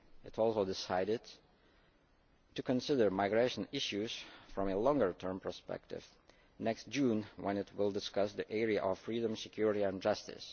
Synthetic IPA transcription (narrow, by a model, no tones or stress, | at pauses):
ɨɾɔlˠsoʊdɪsaɪɾɪd | tɨkʰə̃nsɪdə˞maɪɡɹeɪʃə̃n̩ɪʃʉz̥fɹɔ̃melɔ̃ŋɡə˞tʰɜ̃˞mpʰə˞spɛ̰k̚tɪ̰v̥ | nɛkst̚d̥ʒ̥ũnwɛ̃nɪt̚wɪlˠdɪskʌsðiʔɛɹiaʔɔv̥fɹidə̃msɨkʰj̥ʊɹɪɾiɨ̃nd͡ʒʌstɨ̰s